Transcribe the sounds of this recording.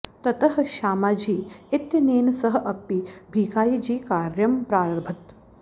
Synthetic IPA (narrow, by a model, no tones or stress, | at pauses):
t̪ɐt̪ɐɦɐ̆ʃaːmaːd͡ʒiːɪt̪jɐniːnɐsɐɦɐ̆ʔɐpːibʱiːkaːjid͡ʒiːkaːɾjɐmpɾaːɾɐɾbʱɐt̪